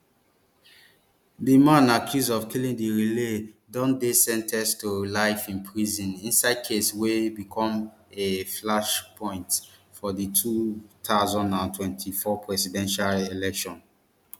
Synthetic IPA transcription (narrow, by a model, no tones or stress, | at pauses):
dimãnakʰjusɔvkilĩŋdiɹiledɔ̃ndesɛ̃ntʰɛstolaɪfĩnpʰɹizĩnĩnsaɪd̚kʰeswebikʰɔ̃meflaʃpʰɔ̃ɪ̃ntfɔditʰutʰaʊzɔ̃ndãntʰwɛ̃ntʰifɔpʰɹɛsidɛ̃nʃalelɛkʃɔ̃n